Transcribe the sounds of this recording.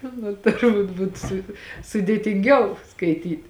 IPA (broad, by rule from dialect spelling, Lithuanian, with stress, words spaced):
ˈnʊ tʊrˈbuːt ˈbuːt sʊ sʊdʲeːtʲɪŋʲˈɡʲɛʊ skɐɪˈtʲiːtʲ